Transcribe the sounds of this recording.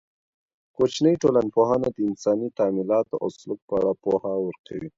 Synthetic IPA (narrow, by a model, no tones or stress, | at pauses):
kot͡ʃnəjʈolanpoɦɑnad̪əɪnsɑnit̪ɑmilɑt̪oʔa̰wslʊk̚pəaɽapohawəɾkʰawi